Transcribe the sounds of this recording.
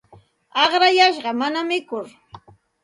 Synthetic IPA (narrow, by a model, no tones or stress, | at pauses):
ɑχɾajaʃɢɑmanamɪkʊɾ